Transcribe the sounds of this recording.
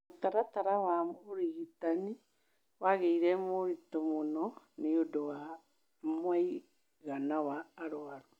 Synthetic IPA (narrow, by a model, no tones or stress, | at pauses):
otaɾataɾawamoɾiɣitani | waɣeiɾɛmoɾitɔmonɔ | neodowa | mwai | ɣanawaːɾoaɾo